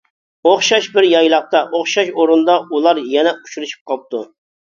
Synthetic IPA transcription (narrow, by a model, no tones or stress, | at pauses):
oχʃɑʃbɪɾjɑjlˠɑq̚t̪ɑʔoχʃɑʃoɾund̪ɑulˠɑɾjɛnɛuʃuɾuʃy̥p̚qʰɑlp̚t̪ʰu